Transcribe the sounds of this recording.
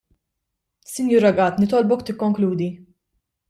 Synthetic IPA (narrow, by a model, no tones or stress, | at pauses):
sɪnjuːɾɐɡɐt̪nɪt̪ɔlbɔkt̪ɪkːɔŋkluːd̪i